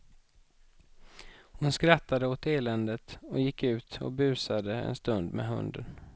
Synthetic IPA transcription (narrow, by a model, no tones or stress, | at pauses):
hʊnskɾat̪ːad̪əot̪eːlɛnd̪ət̪ɔjɪkːʉ̟ːt̪ɔ̰bʉ̟ːsad̪əɛ̰nst̪ɵnd̪mɛ̰ɦɵ̰nd̪ən